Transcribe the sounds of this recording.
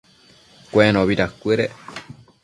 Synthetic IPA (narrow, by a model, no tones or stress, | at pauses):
kʷeeɾ̃õβiɾakʷeɾe